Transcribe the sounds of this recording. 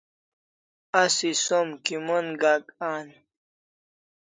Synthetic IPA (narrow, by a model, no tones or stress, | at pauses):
asisomkimonɡakaːn